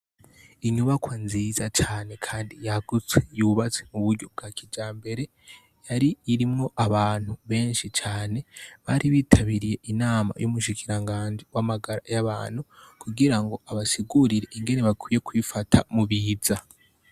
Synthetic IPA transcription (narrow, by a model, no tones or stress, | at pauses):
iɲuβakwanziːzat͡ʃaːne̞kʰaːndijaɡ̥ut͡swejuβat͡swemuβuɾɟo̞b̚ɡ̥aːkʰid͡ʒaːmbe̞ɾe̞ | jaɾiːɾimŋo̞ʔaβaːn̥huβe̞ːnʃit͡ʃaːne̞βaːɾiβiːtʰaβiɾije̞ʔinaːma̰jumuʃikiɾaŋɡaːnd͡ʒiwamaɡaɾajaβaːn̥hukʰuɡiɾaŋɡo̞ʔaβasiɡuɾiɾe̞ʔiŋɡe̞ne̞βakwije̞kwifatʰa̰muβiːza